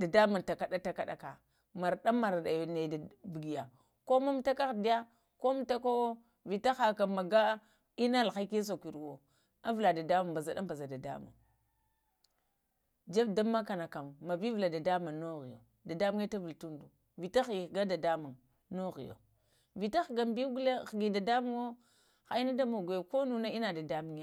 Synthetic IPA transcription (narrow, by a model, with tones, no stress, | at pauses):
da˨da˦ma˨ŋta˨ka˨da˦ta˨ka˦˨ɗa˨˦ka˨ | ma˨ɾɗa˦mːa˨ɾɗa˨jo˨ne˨da˨bu˨ɡi˨ja˨ | ko˦ma˦m˦ta˦ka˦xdi˦ja˦ | ko˦m˦ta˦ko˦ | vi˨ta˦xa˨ka˨ma˨ɡa˦ | i˦na˦˨lxa˦ki˦s̬o˨kʷi˨ɾwo˨ | a˦vla˨da˨da˦ma˨mba˨za˨da˦mba˨za˨da˨da̰˦ma̰˨ŋ | d͡ʒa˦bda˦mːa˦ka˨na˨ka˨mːa˨bi˦vla˨da˨da˦ma˨no˦ɣi˨jo̰˨ | da˨da˦mu˦ŋ˦a˦ta˦vi˨ltu˦ndu˨ | vi˨ta˦xi˨ɡa˦da˨da˦mu˨ | no˦ɣḭ˨jo̰˨ | vi˨ta˦xɡa˨mbi˦ɡu˦la˦xɡi˨da˨da˦mu˦ŋo˦ | xa˨i˦na˦da˦mo˨ɡa˨jo˨ko˦nu˦na˦i˦na˨da˨da˦mu˦ŋja˦˨